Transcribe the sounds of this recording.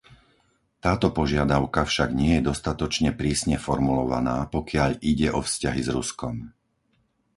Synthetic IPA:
t̪aːt̪ɔpɔʒɪad̪aʊkafʃaɡɲɪɛjɛd̪ɔst̪at̪ɔt͡ʃɲɛpɾiːsɲɛfɔɾmulɔʋa̰naːpɔkɪaʎʔiɟɛʔɔfscaɦizɾuskɔm

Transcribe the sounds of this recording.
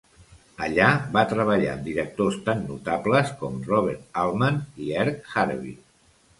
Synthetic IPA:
əʎaβat̪ɾəβəʎa̰d̪iɾək̚t̪ost̪anːṵt̪apləskɔmrɔβ̞ɛɾt̪alˠmaniɛɾkxaɾβḭ

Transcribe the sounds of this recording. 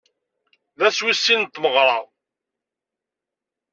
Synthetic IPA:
ðæswisːint̪ːməʁɾˤɑ

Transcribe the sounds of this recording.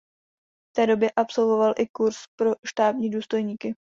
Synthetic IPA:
ft̪ɛːdo̞bjɛʔapso̞lvo̞valʔɪkuɾspɾo̞ʃt̪aːbɲiːduːst̪o̞jɲiːkɪ

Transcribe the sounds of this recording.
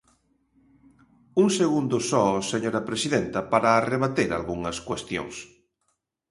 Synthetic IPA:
uŋseɣund̪ʊsɔseɲoɾɐpɾesiðent̪ɐpaɾɐːreβat̪eɾa̰lɣuŋɐskwest̪jo̰ŋs

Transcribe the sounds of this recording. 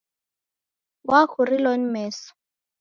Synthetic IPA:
wakuɾilɔnmɛːsɔ̥

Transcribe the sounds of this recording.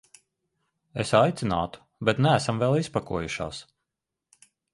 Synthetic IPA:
esajt̪sʲina̰ːt̪u̥ | bɛt̪nææsamvɛlˠispakuɔjuʃa̰ːs

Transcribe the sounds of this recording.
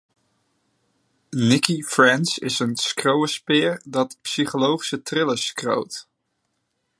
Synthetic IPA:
nɪkifrɛnsɪ̰sənskrowəspɪːɹdɑtpsiχolowχi̥sətrɪləskro̰wt

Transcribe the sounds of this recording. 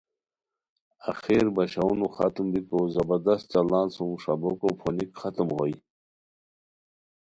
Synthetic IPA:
axeːɾbɐɕaunuxat̪umbikozɐbɐd̪ɐs̚t͡ɕalaːnsumʂabokopʰonikχat̪umʁoj

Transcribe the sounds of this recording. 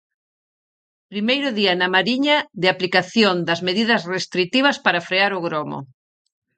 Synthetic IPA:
pɾimejɾʊðiɐnamaɾiɲɐðɪaplikaθjond̪ɐzmeðiðɐsrest̪ɾit̪iβ̞ɐspaɾafɾeaɾʊɣɾɔmo̰

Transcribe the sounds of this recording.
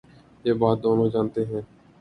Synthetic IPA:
jeːbaːt̪̚d̪oːnõːd͡ʒãːnt̪eɦɛ̃ː

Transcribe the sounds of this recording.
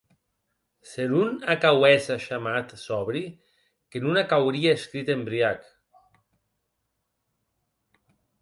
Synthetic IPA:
seɾunakawɛsaʃamat̪sɔβɾi | kenunakawɾiaeskɾit̪embɾiak

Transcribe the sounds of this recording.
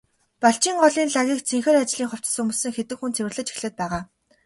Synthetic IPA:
paɬt͡ɕiːŋɢɔɮiːnɮaɣʲiːk̚t͡sʰiŋxĕːrat͡ɕɮiːŋχʊw̥t͡s̆sɵmusɘ̆ŋxet̪ɘ̆kxunt͡sʰewɘ̆rɮə̆t͡ɕi̥xɮɘ̆t̪̚pæːʁaː

